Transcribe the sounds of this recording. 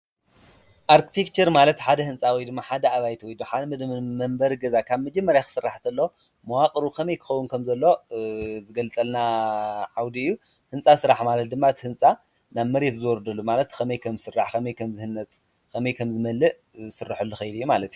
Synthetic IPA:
ʔaɾkʰi̥t̪ʰekt͡ʃʰɐɾmalɐt̪ħad̪ɐhɨnt͡sʼawijd̪ɨmːaħad̪ɐaβajt̪wɔjd̪oħad̪md̪mɐmbɐɾɡɐzakʰaβmɐd͡ʒɐmːɐɾjaxɨ̥sɨrːaħt̪ʰɐlːo | mɐwakʼɾukʰɐmɐjkʰɨ̥xɐwːunkʰɐmzɐlːo̞zɨɡɐlt͡sʼɐlnaʕawd̪iɨjːu | hɨnt͡sʼasɨɾaħmalɐt̪̚d̪ɨmːat̪ʰhɨnt͡sʼa | naβmɐɾe̞t̪zɨwɔɾd̪ɐlːumalɐt̪kʰɐmɐjkʰɐmsɨrːaħkʰɐmɐjkʰɐmzɨhɨnːɐt͡sʼ | kʰɐmɐjkʰɐmzɨmɐlːɨʔ | sɨrːɨħɨlːuxɐjd̪ijːumalɐt̪iju

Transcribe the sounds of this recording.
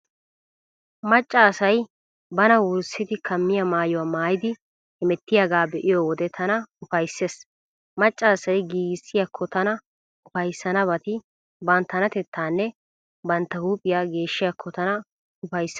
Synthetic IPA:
mɐt͡ʃʼːaːsɐj | bɐnɐwʊsːɪd̪ɪkʰɐmːɪjɐmaːjɔwaːmaːjɪd̪ɪ | hɪmɛt̪ːɪjaɡaːbɛʔɪjɔwɔd̪ɛt̪ʰɐnɐʊfɐjsːeːs | mɐt͡ʃʼːaːsɐjɡiːɡɪsːɪjakʰːɔt̪ɐnɐ | ʊfɐjsːɐnɐbɐt̪ɪ | bɐnt̪ːɐnɐt̪ɛt̪ʰːaːnːɛ | bɐnt̪ːɐhuːpʼːɪjaːɡe̞ːʃːɪjakʰːɔt̪ɐnɐ | ʊfɐjsːɐ

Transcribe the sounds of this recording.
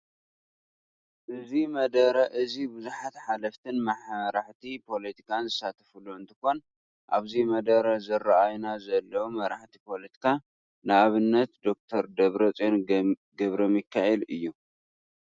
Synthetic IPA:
ʔɨzimɐd̪ɐɾɐʔɨzibuzuħat̪ħalɐft̪ʰɨnmɐħɾaħt̪ʰipʰo̞lɐt̪ʰi̥kʰanzɨsat̪ʰɐ̥fuluɨnt̪ʰɨko̞n | ʔaβzimɐd̪ɐɾɐzɨɾaʔajnazɐlːɐwmɐɾaħt̪ʰipʰo̞lɐt̪ʰi̥kʰa | nɨaβɨnːɐt̪d̪o̞k̚t̪ʰɐɾd̪ɐβɾɐt͡sʼonɡɐβɾomjɪkʰːaʔelɨ̰jːu

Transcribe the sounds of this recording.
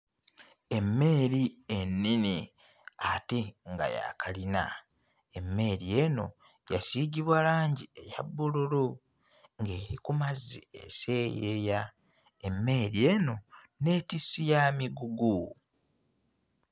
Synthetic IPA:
e̞mːe̞ːɾienːini | ateŋɡa̰ja̰kʰalina̰ | e̞mːe̞ɾie̞no̞ | jasiɟiβwalaːɲɟieja̰bːululu | ŋɡe̞ːɾikumaziḛse̞jeja | emːe̞ːɾie̞no̞ | ne̞ːtisijamiɡuɡu

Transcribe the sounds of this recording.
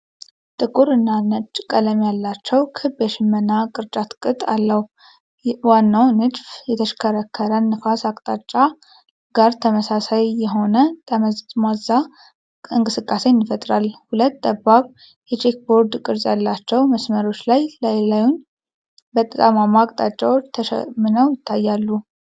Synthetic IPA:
t̪ʼɨkʼuɾɨnːanɨt͡ʃʼːkʼələmjalːat͡ʃːɛwkʰɨbjɛʃɪmːənːakʼɨɾt͡ʃʼat̪kʼɨt̪ʼalːəhu | wanːawnɨd͡ʒfjɛt̪ʰəʃkʰəɾəkʰːəɾənːɨfasakʼt̪ʼat͡ʃʼːa | ɡ̥aɾt̪ʰəməsasajːɛɦo̞nət̪ʰʼəməztmaza | ɨŋkʼɨsɨkʼːase̞nːɪfət̪ʼɾalhulət̪ːd̪əbaβ | jɛt͡ʃʰʼek̚bo̞ɾd̪kʼɨɾzʼjalːat͡ʃːɛwməsməɾo̞t͡ʃːlajlajlajun | bət̪ʼət̪ʼamamaːkʼt̪ʼat͡ʃʼːawot͡ʃːt̪ʰəʃɛ̰mːɨnəwjɪt̪ʰːajːalːu

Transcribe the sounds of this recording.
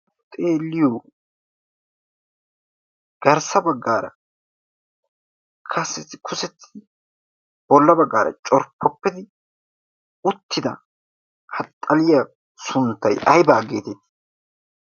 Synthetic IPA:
t̪ʼe̞ːlːɪjoː | ɡ̥ɐɾsɐbɐɡːaːɾɐ̰ | kʰɐsːɪt̪ːɪkʰʊsɛt̪ːɪ̥ | b̥ɔlːɐbɐɡːaːɾɐ̰t͡ʃʼɔɾpʰːɔpːɪd̪ɪ | ʊt̪ːɪd̪ɐ̰ | hɐt̪ʼːɐlɪjɐ | sʊnt̪ːɐjʔɐjbaːɡeːt̪ɛt̪ː

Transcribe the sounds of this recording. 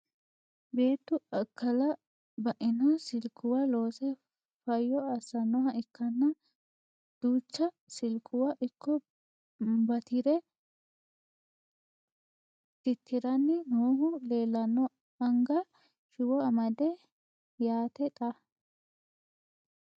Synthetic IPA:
be̞ːt̪ːʊɐkːɐlɐ | bɐʔɪnɐsɪlkʰʊwɐlo̞ːsɛ | fɐjːɔɐsɐnːɔhɐʔɪkːɐnːɐ | d̪̥uːt͡ʃːɐ | sɪlkːʊwɐʔɪkːɔ | bɐt̪ʰɪɾɛ | t̪ɪt̪ʰːɪɾɐnːɪnoːhʊleːlːɐnːɔ | ɐŋɡɐ | ʃɪwɔɐmɐd̪ɛ | jaːt̪ɛt̪ʼɐ

